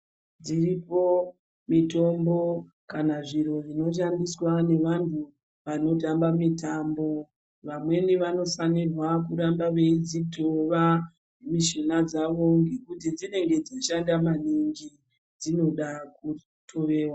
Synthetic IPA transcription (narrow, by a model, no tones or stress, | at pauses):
d͡ziripo̞ | mito̞mbo̞ | kanaʐiɾo̞ʐino̞ʃ̬andiswane̞ʋantʰu | ʋano̞t̬ambamitambo̞ | ʋamwe̞niʋano̞fanirwakuɾambaʋe̞id͡zitʰoʋa | miʃinad͡zaʋo̞ŋɡekut̬id͡zine̞ŋɡe̞d͡zoʃandamaniŋɡi | d͡zino̞ɗaku | tʰo̞ʋe̞ːwa